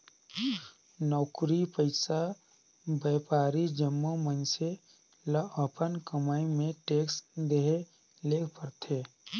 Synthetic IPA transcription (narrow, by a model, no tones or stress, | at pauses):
nɔːkɾipəɪsa | bɛːpaːɾid͡ʒəmːumənse | ləəpənkəmaːimẽʈeːksd̪eɦe | leːkʰpəɾt̪ʰeː